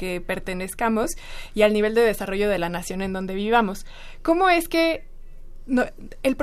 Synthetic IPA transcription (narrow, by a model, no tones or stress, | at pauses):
ke̞pe̞ɾt̪e̞ne̞skamo̞sialniβ̞e̞ld̪e̞ð̞e̞saro̞ʝo̞ð̞e̞lanasjo̞ne̞nd̪o̞nd̪e̞β̞iβ̞amo̞s | ko̞mo̞e̞ske̞ | no | elpɾ